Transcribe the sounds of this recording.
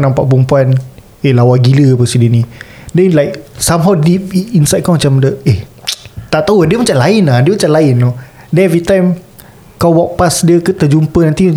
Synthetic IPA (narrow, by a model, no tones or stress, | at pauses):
nãmpaʔpɾumpuan | elawaɡiləpəsidənĩdɛnlajk̚samɦawdip̚insajd̚kamat͡ʃãmdəe | t̪aʔt̪auadiəmat͡ʃãmlainahdiəmat͡ʃãmlainːo | dɛ̃nɛvɹit̪ãjm | kawwɔk̚pasdiəkət̪əd͡ʒumpənant̪i